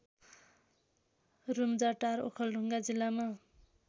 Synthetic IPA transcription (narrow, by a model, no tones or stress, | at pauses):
rumd͡zaʈaɾo̰kʰʌlɖʱuŋɡad͡zilːama